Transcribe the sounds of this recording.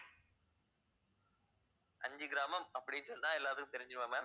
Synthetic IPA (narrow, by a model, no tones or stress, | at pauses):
ʔɐɲd͡ʒɯɡɪɾaːmɐmɐpːɐɽɪjnsɔlt̪ãːɛlːaːðɯkɯ̃mt̪ɛɾɪɲd͡ʒɯɾɯʋaːmɐ